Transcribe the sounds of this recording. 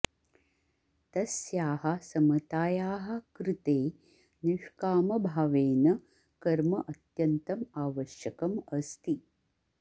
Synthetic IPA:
t̪ɐsjaːɦɐsɐmɐt̪aːjaːɦɐ̆kɾɪt̪eː | nuʃkaːmɐbʱaʋeːnɐ | kɐɾmɐʔɐt̪jɐnt̪ɐmaːʋɐʃjɐkɐmɐst̪i

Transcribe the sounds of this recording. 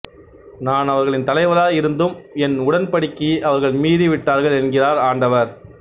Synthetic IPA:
naːnɐʋɐɾɣɐɭɪnt̪ɐlɐɪʋɐlaːɪɾɯnd̪ɯmɛnʊɽɐnpɐɽɪkːiʔɐʋɐɾɣɐɭmiːðiʋɪʈːaːɾɣɐɭɛnɡɪraːɾaːɳɖɐʋɐɾ

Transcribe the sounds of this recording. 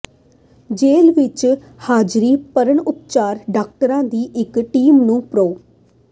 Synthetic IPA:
d͡ʒeːlʋɪt͡ʃ | haːd͡ʒɾiːpəɾəɳʊpt͡ʃaːɾɖaːk̚ʈəɾãːd̪iːʔɪkʈiːmnũːpɾoː

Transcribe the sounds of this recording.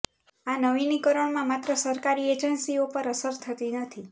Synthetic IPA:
anəʋinikəɾəɳmãmat̪ɾəsəɾkaɾied͡ʒənsiopəɾəsəɾt̪ʰət̪inət̪ʰi

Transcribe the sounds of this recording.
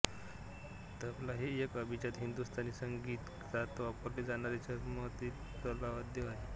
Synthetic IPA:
t̪əaplaɦiːekəbʱit͡ɕat̪ɦind̪ust̪aniːsəŋɡiːt̪ː | at̪ʋapəɾled͡zañaɾat͡ɕaməɦt̪iːk | t͡səlaʋət̪̚d̪eʋaɦe

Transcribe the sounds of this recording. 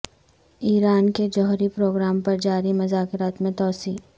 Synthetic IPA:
iːɾaːnked͡ʒɔɦɾipɾoːɡɾaːmpɐɾd͡ʒaːɾimʊzaːkɪɾaːt̪mẽt̪ɔːsiː

